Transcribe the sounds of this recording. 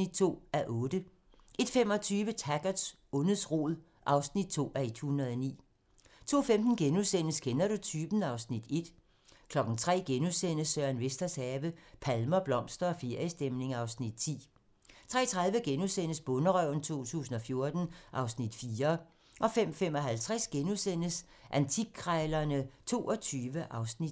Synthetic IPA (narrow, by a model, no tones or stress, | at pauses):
id̥̚t͡sʰo̝̰ːæʔɔ̽ːd̥ə | e̝d̥fem̰ɒ̽t͡sʰyːʋət͡sʰæɡ̥ɐ̥s | ɔnəðˠsʁo̝̰ːðˠ | ʔɑ̈ʊsnid̥̚t͡sʰo̝̰ːæɐe̝d̥hunɐð̞ˠɒnḭː | t͡sʰo̝̰ːfemd̥n̩ɡ̥enuðˠsen̰əsɡ̥enæɾo̝t͡sʰyb̥n̩ɑ̈ʊsnid̥e̝d̥ | kʰlɒ̽ɡ̥n̩t͡sʰʁɛ̰ːɡ̥enuðˠsen̰əsːœɐ̰nʋesd̥ɐsɛːʋəpʰælmɐb̥lɒ̽m̰sd̥ɐɒ̽feɐisd̥emne̝ŋɑ̈ʊsnid̥̚t͡sʰḭː | t͡sʰʁɛ̰ːt͡sʰʁɑ̈ð̞ˠʋəɡ̥enusen̰əsb̥ɔ̽nəʁœʊ̰n̩t͡sʰo̝̰ːt͡sʰṵːs̬n̩ɒ̽fjo̝ɐd̥n̩ʔɑ̈ʊsnid̥fiːɐ | ʔɒ̽fem̰fem̰ɒ̽ɦælt͡sʰʁɛsɡ̥enusen̰əs | ʔænt͡sʰiɡʰʁɑɪlɐnət͡sʰo̝̰ːɒ̽t͡sʰyːʋəʔɑ̈ʊsnid̥